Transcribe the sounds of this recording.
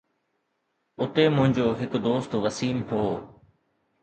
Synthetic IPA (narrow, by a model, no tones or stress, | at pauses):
ʊt̪emʊ̃ɦɪ̃ɲd͡ʑoːɦɪkd̪oːst̪ʋəsiːmɦoː